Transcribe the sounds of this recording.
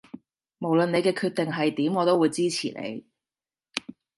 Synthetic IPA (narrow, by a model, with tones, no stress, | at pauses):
mo˨˩wlə˨ne˨˧jkɛː˧kʰyː˧t̚t̪e˨ŋɦɐ˨jt̪iː˨˥mŋɔː˨˧t̪o˥wuː˨˧jt͡siː˥t͡sʰḭː˨˩nḛ˨˧j